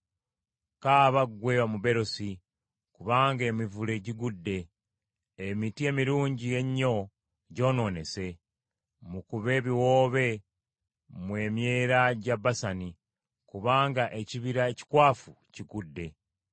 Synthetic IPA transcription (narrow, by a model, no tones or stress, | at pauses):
kaβaɡwe̞ːβamuβe̞ɾo̞si | kuβaːŋɡe̞mivule̞ɟiɡudːe̞ː | mitie̞miɾuːɲɟije̞ɲːo̞ | ɟo̞ːno̞ːne̞se̞ | mukuβe̞ːβiwoːβe̞ | mwe̞ːmje̞ɾaɟaβasani | kuβaːŋɡaʔeciβiɾaeci̥kwaːfu | ciɡudːe̞